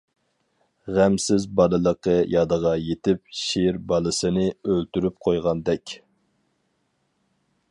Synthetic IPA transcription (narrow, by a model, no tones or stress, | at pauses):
ʁæmsɪzbɑlˠɨlˠəqəjɑd̪əʁɑjet̪ɪp̚ʃeɾbɑlˠɨsɨnɨølt̪yɾyp̚qʰojʁɑnd̪ɛkʲ